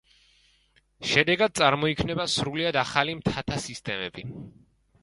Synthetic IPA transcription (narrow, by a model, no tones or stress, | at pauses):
ʃɛd̪ɛɡad̪̚t̪sʼaɾmɔikʰmnɛbasɾuliad̪aχalimt̪ʰat̪ʰasist̪ʼɛmɛbi